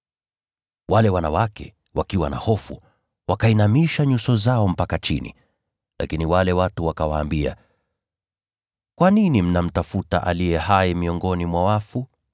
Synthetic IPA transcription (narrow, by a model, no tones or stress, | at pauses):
walɛwanawakɛ̰ | wakiwana̰hɔfṵ | wakainamiʃaɲusɔzaɔm̩pakat͡ʃinḭ | la̰kiniwalɛwatuwakawaːmbia̰ | kwaninim̩nam̩tafuta̰ʔa̰lijɛhaɛmiɔŋɡɔnimwawafu